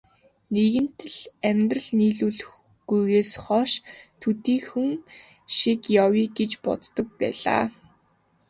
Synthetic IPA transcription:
neɣɘ̆nt̪ʰɘ̆ɮæmʲt̪rə̆ɮniːɮuːɮx | ɡujɣeːsχɔʃt̪ʰut̪iːxuŋ | ʃikjawiːɡet͡ɕpɔ̰t͡s̪t̪ɞ̆k̚pæ̰ːɮa̰ː

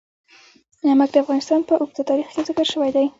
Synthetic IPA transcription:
namaɡd̪əafɣɑnɪst̪ɑnpəʔʊɡ̚t̪at̪ɑɾixkezɪkəɾʃəwajd̪aj

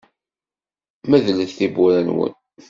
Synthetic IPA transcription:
mæðləθθibuɾænwə̰n

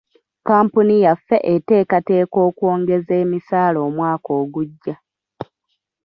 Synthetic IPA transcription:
kaːmpunijafːe̞ʔete̞ːkate̞ːko̞ːkwo̞ːŋɡe̞ze̞ːmisaːlo̞ːmwaːko̞ːɡuɟːa

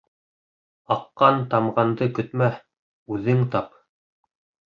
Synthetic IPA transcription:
ɑqːɑnt̪ɑmʁɑnd̪ɤkɵ̆t̪mæh | ʉðɘŋt̪ɑp

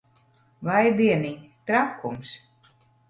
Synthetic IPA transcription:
vajd̪iɛnit̪ɾakːums

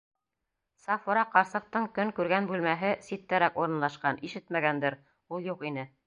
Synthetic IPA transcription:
sɑfuɾɑqɑɾsɤ̆q̚t̪ɤɴkɵŋkʉɾɡænbʉlmæɦɘsit̪ːæɾækuɾɤ̆nlˠɑʃqɑnʔiʃɘt̪mæɡænd̪ɘɾ | ulˠjuqinɘ

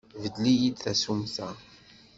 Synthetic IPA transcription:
vəd̪lijid̪θæsumθæ

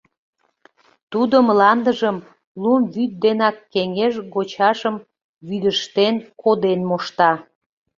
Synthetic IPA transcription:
t̪ud̪əmlɑnd̪əʒəm | lumβyt̪̚d̪enɑkːeŋeʒɣot͡ɕɑʃəm | βyd̪əʃt̪enkod̪enmoʃt̪ɑ

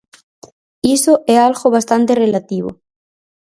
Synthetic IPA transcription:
isoʔealɣoβ̞ast̪ant̪erelat̪iβo̰

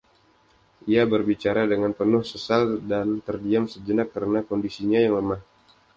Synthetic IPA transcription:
ʔiabərbit͡ʃaɾadəŋanpənʊhsəsaldant̪ərdiamsəd͡ʒənak̚ːəɾənakɔndisiɲajaŋləmah

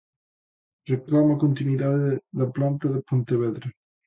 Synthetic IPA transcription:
reklamakont̪inwiðaðeðaplant̪aðepunt̪eβɛðɾe

